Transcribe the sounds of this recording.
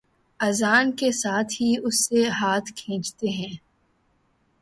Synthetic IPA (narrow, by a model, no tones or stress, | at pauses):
ɐzaːnkesaːt̪ʰɦiʊsːeɦaːt̪ʰkʰẽːt͡ʃt̪eɦɛ̃ː